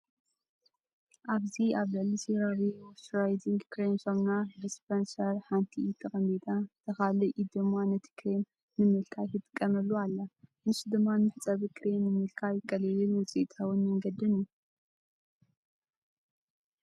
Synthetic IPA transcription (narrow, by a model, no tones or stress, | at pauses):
ʔaβziaβlɨʕlisiɾawiwosɾajd̪iŋɡkɾemsoβnadispʰɐnsɐɾħant̪ʰiːt̪ʰɐxɐmit̪ʼat̪ʰɐxalɨʔid̪ɨmːanɐt̪ʰi̥kʰɾem | nɨmɨlkʰajkʰɨt̪ʼɨ̥kʼːɐmɐlːualːaɨnɨsd̪ɨmːanmɨħt͡sʼɐβikʰɾemnɨmɨlkʰajɪkʼːɐlɨlɨlwɔt͡sʼiʔt̪ʰʼawʊnmɐŋɡɐd̪ɨnju